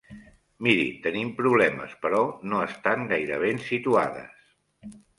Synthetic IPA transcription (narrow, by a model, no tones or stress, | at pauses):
miɾḭt̪ənimpɾuβlɛmə̰spəɾɔnoəst̪aŋɡajɾəβ̞ensit̪ua̰ðə̰s